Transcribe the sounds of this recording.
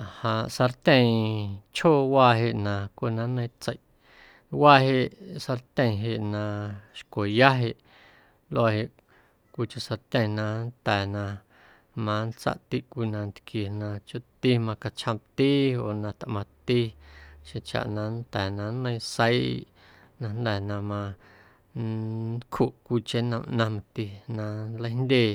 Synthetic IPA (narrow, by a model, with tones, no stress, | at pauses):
hã˨ʔsa˧ɾt̪ʲə̃˧ĩ˨t͡ʃhoː˦˨waː˧ɦe˧ʔnã˨kʷo˧˨nã˧nə̃˧ĩ˦t͡sə˧˨jʔ | waː˦ɦe˧ʔsa˧ɾt̪ʲə̃˧ĩ˨ɦe˧˨ʔnã˧˨ʃkʷo˨ja˦ɦe˧ʔ | lo˦a˧he˧˨ʔ | kʷi˧t͡ʃo˧ʔsa˧ɾt̪ʲə̃˧˨nã˧nt̪ɛː˨nã˧ | mã˧nt͡sa̰˦ʔt̪i˦ʔkʷi˧nã˧nt̪kje˨nã˧t͡ʃo˦ʔt̪i˦mã˧ka˧t͡ʃhã˧mt̪iː˦oː˨nã˧t̪ʔmã˧t̪i˦ʃẽ˧t͡ʃa̰˨ʔnã˧nt̪ɛː˨nã˧nːə̃˧ĩ˧sə˦i˦˨ʔ | nã˧nd̪ɛ˨nã˧mã˧ | nkʰhu˨ʔkʷi˧t͡ʃe˦nə̃˧˨mʔnã˧mã˧t̪i˧nã˧nlə˦jnd̪ʲeː˦˨